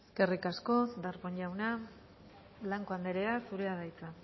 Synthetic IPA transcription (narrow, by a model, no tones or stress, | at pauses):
eske̞rikasko̞sd̪aɾɣoɲʎawna | laŋkoand̪eɾeasuɾeaðajt͡sa